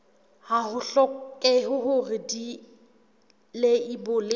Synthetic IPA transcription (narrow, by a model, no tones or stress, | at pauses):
hahʊɬɔkʼɪɦʊɦʊrɪdi | leibʊlɪ